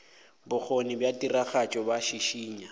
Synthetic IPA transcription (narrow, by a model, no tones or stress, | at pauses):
bʊk͡xʰonibjatʼiraχat͡ʃʼɔbaʃiʃiːɲa